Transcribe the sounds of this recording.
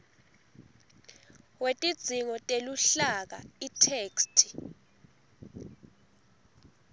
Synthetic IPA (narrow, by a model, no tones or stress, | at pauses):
wetʼid̥d͡z̥ʱiŋɔtʼeluɬak̬a̰itʰeːkstʰi̥